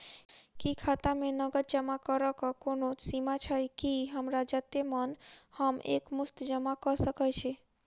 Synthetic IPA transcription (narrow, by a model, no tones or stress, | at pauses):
kikʰat̪amẽnəɡət̪̚d͡ʒəmakəɾəkɔkonosimat͡ʃʰəjkiɦəmɾad͡ʒat̪emənhəmḛkmʊst̪d͡ʒəmakəɾsəkət͡ʃʰe